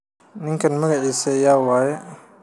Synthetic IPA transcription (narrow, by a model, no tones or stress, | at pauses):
nɪŋkʰɐnmɐɣɐʕiːsɐjaːwaːjɛ